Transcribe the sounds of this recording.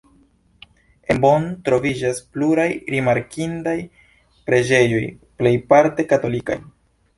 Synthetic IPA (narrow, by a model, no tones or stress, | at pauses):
e̞mbontɾo̞vid͡ʒaspluɾajɾimaɾkʰindaj | pɾe̞d͡ʒe̞jo̞j | ple̞jpaɾte̞kato̞lika̰j